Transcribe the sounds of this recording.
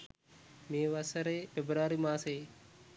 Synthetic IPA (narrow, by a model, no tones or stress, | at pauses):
mẽːʋasəɾeːfebɾaːɾiːmãːseː